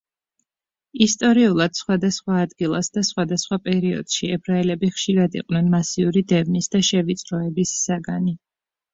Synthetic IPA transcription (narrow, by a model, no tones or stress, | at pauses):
ist̪ʼɔɾiulˠad̪̥sχwad̪asχwaːd̪ɡilˠasd̪asχwad̪asχwapʼɛɾiɔ̰d̪̥ʃiɛbʰɾaɛlɛbiχʃiɾad̪ḭqʼwnɛnmasiuɾid̪ɛvnisd̪aʃɛvit̪sʼɾɔɛbisːaɡani